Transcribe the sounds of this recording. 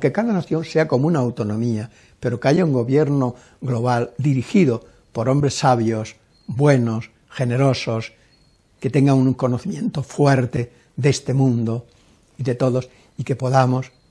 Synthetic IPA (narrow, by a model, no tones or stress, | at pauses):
ke̞kaðanaθjo̞nseako̞munaːwt̪o̞nõmia | pe̞ɾo̞keaʝauŋɡo̞βje̞ɾno | ɣlo̞βald̪iɾixiðo | po̞ɾo̞mbɾesːaβjos | bwe̞nos | xe̞ne̞ɾo̞sos | ke̞t̪e̞ŋɡaŋuŋko̞noθimjẽ̞nt̪o̞fwe̞ɾt̪e̞ | ðe̞st̪e̞mũnd̪o | iðe̞t̪o̞ðos | ike̞po̞ðamos